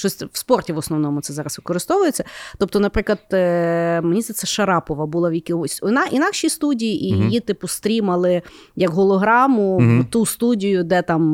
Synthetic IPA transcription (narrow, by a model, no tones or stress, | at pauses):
ʃt͡ʃɔsʲʋspɔrtʲiʋɔsnɔʋnɔmʊt̪sɛzɑɾɐsʋɪkɔɾɪst̪ɔʋʊjet͡sʲːɐt̪ɔp̚t̪ɔnɐpɾɪklˠɐd̪ | menʲizɛt̪sɛʃɐɾɑpɔʋɐbulˠɑʋjɐkʲiʊsʲnɑʔinɑkʃist̪udʲijiʔijit̪ɪpʊst̪ɾʲimɐlˠɪ | jɐkɦɔlˠɔɦɾɑmʊt̪ust̪udʲijʊd̪ɛt̪ɑm